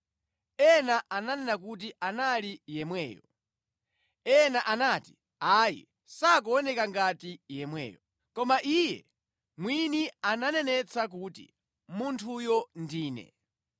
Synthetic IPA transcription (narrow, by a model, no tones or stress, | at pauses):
ɛnaʔananɛnak̬ut̬iʔanalijɛmwɛːjɔ | ɛnaʔanati̥ | ajḭ | sak̬ɔɔnɛkaŋɡatijɛmwɛ̰ːjɔ | kɔmaʔijɛ̰ | mwiniananɛnɛt͡sak̬uːtḭ | muntʰujɔndiːnɛ̰